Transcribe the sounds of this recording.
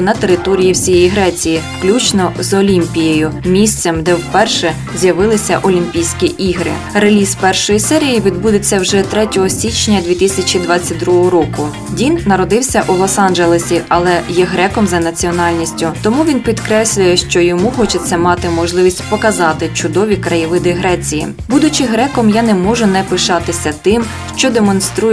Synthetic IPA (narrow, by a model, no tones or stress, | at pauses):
nɐt̪eɾɪt̪ɔɾʲijiwsʲijɛjiɦɾɛt͡sʲijifklʲut͡ʃnɔzɔlʲimʲpʲijejʊmʲisʲt̪sɛmd̪ɛwpɛrʃɛ | zʲjɐʋɪlˠɪsʲɐʔɔlʲimʲpʲijsʲkʲiʔiɦɾɪ̰ | ɾelʲispɛrʃɔjisɛɾʲijiʋʲid̪bud̪ɪt͡sʲːɐwʒɛt̪ɾɛtʲɔɦɔsʲit͡ʃnʲɐd̪ʲʋʲit̪ɪsʲɐt͡ʃʲid̪ʋɑt͡sʲːɐt̚ʲd̪ɾuɦɔɦɔɾɔkʊ | dʲinːɐɾɔd̪ɪwsʲɐʔulˠɔsɑnʒelˠesʲiʔɐlˠɛjɛɦɾɛkɔmzɐnɐt͡sʲiɔnɑlʲnʲisʲtʲʊt̪ɔmuʋʲinpʲid̪kɾɛsʲlʲʊjɛʃt͡ʃɔjɔmuxɔt͡ʃɪt͡sʲːɐmɑt̪ɪmɔʒlˠɪʋʲisʲtʲpɔkɐzɑt̪ɪt͡ʃʊd̪ɔʋʲikɾɐjiʋɪd̪ɪɦɾɛt͡sʲijḭ | bud̪ʊt͡ʃɪɦɾɛkɔmjanɛmɔʒʊnɛpɪʃɑt̪ɪsʲɐt̪ɪm | ʃt͡ʃɔd̪emɔnst̪ɾuj